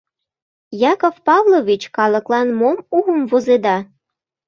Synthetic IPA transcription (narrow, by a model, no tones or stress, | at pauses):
jɑkofpɑvlovit͡ɕkɑlə̆klɑnmomuɣəmvozed̪ɑ